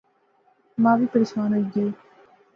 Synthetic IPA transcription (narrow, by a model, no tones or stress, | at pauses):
mãːʋiːpəɾɪsʋaːnoiɡeː